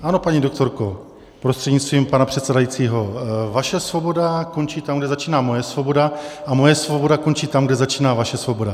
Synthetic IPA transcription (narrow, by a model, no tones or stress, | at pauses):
ʔano̞paɲiːdok̚t̪o̞ɾko̞ | pɾost̪r̥ɛdɲist̪viːmpanapr̥ɛt̪sɛdajit͡siːɦo̞vaʃɛsvo̞bo̞dakont͡ʃiːt̪amɡdɛzat͡ʃiːnaːmo̞jɛsvo̞bo̞daʔamo̞jɛsvobo̞dakont͡ʃiːt̪amɡdɛzat͡ʃiːnaːvaʃɛsvo̞bo̞da